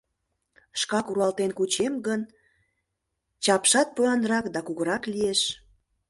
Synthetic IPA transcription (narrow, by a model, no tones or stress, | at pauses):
ʃkɑkuɾuɑlt̪enkut͡ɕemɡən | t͡ɕɑpʃɑt̪̚pøɑnɾɑkd̪ɑkuɣəɾɑklieʃ